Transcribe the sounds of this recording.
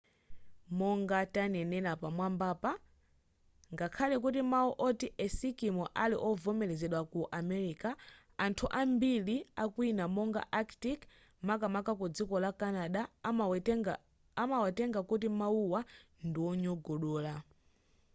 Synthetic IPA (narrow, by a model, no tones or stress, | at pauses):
mɔŋɡatanɛnɛlapamwambaːpa | ŋɡakʰalɛk̬ut̬imauʔɔtiʔɛsikimɔʔaliʔɔvɔmɛlɛzɛɗwakuʔamɛɾika | antʰuʔambiliakwinamɔŋɡa̰ʔaktik | mak̬amakakud͡zikɔlakanaɗa | amawɛtɛŋɡakutimauwa | ndiwɔɲɔɡɔɗɔːla